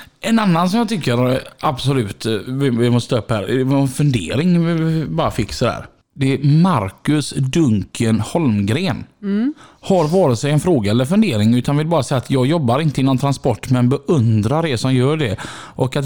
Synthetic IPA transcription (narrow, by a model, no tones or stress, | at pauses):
ɛnanːans̬ɔmjɑːt̪ʰʏkːəɾabsɔlʉ̟ːt̪vɪvɪmɔst̪əɵpːhæ̰ːɾɛvnfɵnd̪ḛːɾɪŋbɑːɾafɪkːsɔd̪æ̰ːɾ | d̪ɛɛmaɾkɵsd̪ɵŋkʰənhɔlmɡɾeːn | haɾvɑːɾɪt̪sɛjɛnfɾoːɡaɛlːəɾfɵnd̪eːɾɪŋʉ̟ːt̪ʰanvɪlbɑːɾasɛjːat̪jɑːɡjɔbːaɾɪnt̪əɪnɔnt̪ʰɾanspɔʈːmɛnbɛʔɵnd̪ɾaɾɛsɔmjœːɖɛʔɔkat̪